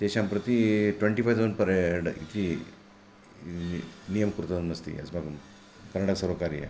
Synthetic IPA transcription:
t̪eɕampɾət̪iʈʋeɳʈifajd͡zonpɐɾeɖḭt̪ʰi | nijəmkuɾut̪ənəst̪ḭɐ̰smaɡm | kɐɾnaɽasəɾokaɾiḛ

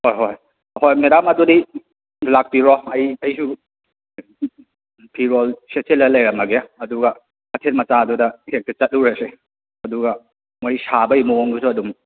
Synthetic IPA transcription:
hojɦoj | hojmedamɐdudi | lak̚piɾɔɐjɐjsu | pʰiɾolseselːɐlɐjɾɐmɐɡeaɐduɡɐ | ɐtʰet̚mɐt͡ʃaɐdudɐhʰek̚tɐt͡ʃɐt̚uɾase | ɐduɡɐ | moɾisabɐimuoŋɡusuɐdum

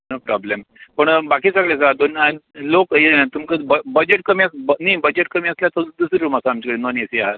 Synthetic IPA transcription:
nəpɾɔblempəɳbakiːsəɡɭes̬ad̪onalokjeat̪umkəbbəd͡ʑeʈ̚kəmiəsbnibəd͡ʑeʈkəmiːəsljat̪ʰod̪usiɾuːmasaamt͡ɕikəɽenonesiaɦət̪

